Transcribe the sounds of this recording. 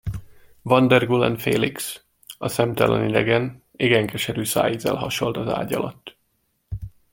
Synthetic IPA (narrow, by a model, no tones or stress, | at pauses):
vɒnd̪ɛrɡulɛnfeːliks | ɒsɛmt̪ɒlɔnid̪ɛɡɛn | eːɡɛŋkɛʃɛɾyːsa̰ːjizɛ̰lɦɒʃo̞lt̪ɒza̰ːɟɒlɒt̪ː